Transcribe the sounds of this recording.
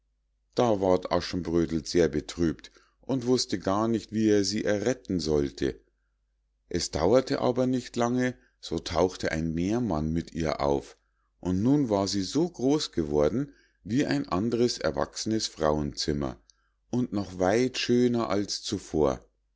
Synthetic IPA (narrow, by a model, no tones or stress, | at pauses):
d̥aːvaɐtʔa̰ʃn̩bʁøːdl̩z̥eːɐbətʁ̥yːpt | ʔʊntv̥ʊstəɡaːɐnɪçtv̥iːeːɐziːʔɛɐʁɛtn̩zɔltʰə̰ | ʔɛsd̥a̰ʊɐtʰəʔa̰ːbɐnɪçtlaŋə | z̥oːtʰaʊxtəʔa̰ɪnmeːɐmanmɪtḭːɐʔa̰ʊf | ʔʊntnuːnvaːɐziːzoːɡʁoːsɡ̥əvɔɐdn̩ | viːʔa̰ɪnʔa̰ndəʁəsʔɛ̰ɐva̰ksənəsfʁ̥aʊənt͡sɪmɐ̰ | ʔʊntnɔχvaɪtʃøːnɐʔa̰lst͡sufoːɐ